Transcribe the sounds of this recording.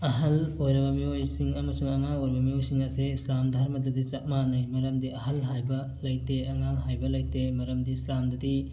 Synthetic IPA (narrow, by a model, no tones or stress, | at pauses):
ɐɦɐlojɾɐbɐmiojsiŋɐmɐsuŋɐŋaŋojɾbɐmiojsiŋɐseislamdʱɐɾmɐdɐdit͡ʃɐk̚manɐjmɐɾɐmdiɐɦɐlɦajbɐ | lɐjteɐŋaŋɦajbɐlɐjtemɐɾɐmdiislamdɐdi